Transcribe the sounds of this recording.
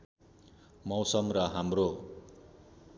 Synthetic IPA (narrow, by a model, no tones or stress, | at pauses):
mʌwsʌmrʌɦamro